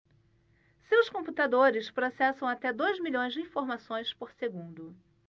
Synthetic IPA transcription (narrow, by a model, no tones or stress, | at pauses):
sewskõput̪ad̪oɾɪspɾosɛsɐ̃w̃at̪ɛd̪ojzmiʎõj̃zd͡ʒɪĩfoɾmasõj̃spoɾseɡũnd̪ʊ